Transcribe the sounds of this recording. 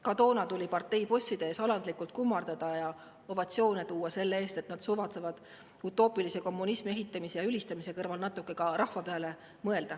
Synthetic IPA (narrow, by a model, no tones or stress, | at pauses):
kɑd̪̥o̞ːnɑt̪ulʲipɑrt̪ːˑe̞jpo̞sʲːid̪̥e̞eːsɑlɑnd̪̥likːˑult̪̚kumːɑrd̪̥ɑd̪̥ɑjɑ | o̞vɑt̪sio̞ːnet̪uːɑse̞lːee̞ːst̪e̞t̪nɑd̪̥suvɑt̪sevɑd̪̥ | ut̪ːˑo̞ːpilise̞ko̞mːunismie̞ɦit̪ːˑɑmisejɑylist̪ɑmise̞kɤrvɑlnɑt̪ːˑukːˑe̞kɑɾʔɑhvɑpeɑle̞ | mɤe̞ld̪̥ɑ